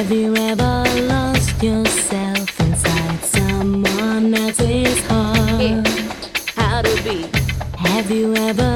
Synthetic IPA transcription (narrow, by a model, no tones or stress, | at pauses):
vjɨɛvə˞lɔst͡ʃjə˞sɛlˠfɨ̃nsaɪd̥sʌ̃mwʌ̃nðɨtsɪz̥kʰɑ | haʊɾɨbihɨvjɨɛvə